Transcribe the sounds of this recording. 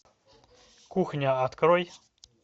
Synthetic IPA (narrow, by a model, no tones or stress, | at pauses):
kuxɲʲaat̪kɾɔj